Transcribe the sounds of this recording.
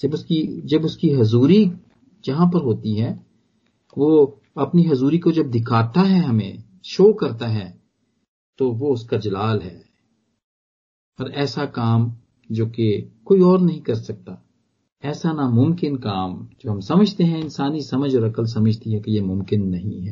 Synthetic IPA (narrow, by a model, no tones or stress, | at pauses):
d͡ʒɐbʊskid͡ʒɐbʊskiɦʊzuːɾi | d͡ʒɐɦãp̬ɐɾɦoːt̪iɦɛː | ʋoː | ɐpniɦʊzuːɾikod͡ʒɐb̚d̪ʱɪkʰaːt̪aɦɛɦɐmḛ̃ | ʃoːkɐɾt̪aɦɛː | t̪oʋoʊskad͡ʒɐlaːlɦɛː | ɔːɾɛːsakaːm | d͡ʒoːkekoːiɔːɾnɐɦĩkɐɾsɐk̚t̪a | ɛːsanamʊ̃mkɪnkaːmd͡ʒoːɦɐmsɐməd͡ʒʱt̪eɦɛ̃ɪnsaːnisɐməd͡ʒɔːɾɐkəls̬ɐməd͡ʒʱt̪iɦɛ̃kejemʊ̃mkɪnːɐɦĩɦɛː